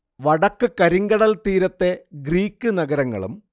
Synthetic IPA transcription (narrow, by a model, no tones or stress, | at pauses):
ʋɐɽɐkːɨkɐɾiŋɡɐɽɐlt̪iːɾɐt̪ːe̞ɡriːkʲːɨnɐɡɐɾɐŋːɐ̰ɭṵm